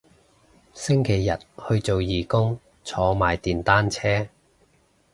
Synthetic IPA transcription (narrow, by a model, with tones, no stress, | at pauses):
sɪ˥ŋkʰe˨˩jːɐ˨t̚hɵ˧ɥt͡so˨wjiː˨kʊ˥ŋ | t͡sʰɔː˧maː˨jt̪iː˨nt̪aː˥nt͡sʰɛː˥